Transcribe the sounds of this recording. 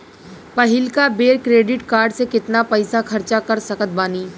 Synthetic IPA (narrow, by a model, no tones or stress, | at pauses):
pɐɦɪlkabeːɾkɾeːɖɪʈkaːɾɖsekɪt̪napɐɪsakʰɐɾt͡ʃakɐɾsɐkət̪̚baːniː